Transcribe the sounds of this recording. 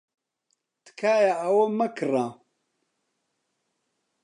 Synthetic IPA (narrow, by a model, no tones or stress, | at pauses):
t̪ɨ̥kʰaːjaɐwɐmɐkʰɨrãː